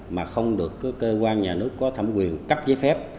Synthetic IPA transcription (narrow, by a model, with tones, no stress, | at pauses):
maː˨˩xə˧wŋ͡mɗɨ˨˩əkːkːəː˧kwaː˧nɲaː˨˩nɨ˦˥əkːɔ˨˦t̪ʰə̰˧˩mkwi˨˩ənkə˦˥p̚zəː˨˦jfɛ˦˥p̚